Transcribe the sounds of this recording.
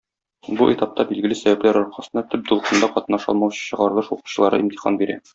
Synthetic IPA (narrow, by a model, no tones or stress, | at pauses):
buʔit̪ɑp̚t̪ɑbilɡɘ̆lɘsæbæplæɾɒɾqɑsɤ̆nd̪ɑt̪ɵp̚d̪ulˠqɤ̆nd̪ɑqɒt̪ɤ̆nɑʃɒ̰lˠmɑwɕɤ̥ɕɤ̆ʁɑɾɤlˠɤʃuqu̥ɕɤ̆lˠɑɾɤ̰ʔimt̪i̥χɑ̰nbiɾæ̰